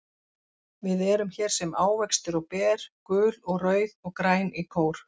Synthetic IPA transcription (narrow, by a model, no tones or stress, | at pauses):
vɪðɛɾʏmçɛːɾ̥sɛmaːwvɛkst̪ʏɾɔwpɛːɾ̥kʏːlɔɣrœːɥðɔɣkɾaːjnikʰoːwɾ̥